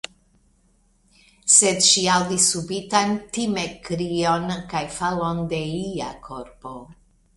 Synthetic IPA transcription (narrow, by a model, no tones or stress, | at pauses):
se̞dʃiawdisːubitantimekɾio̞nkajfalo̞nde̞liakʰo̞ɾpo̞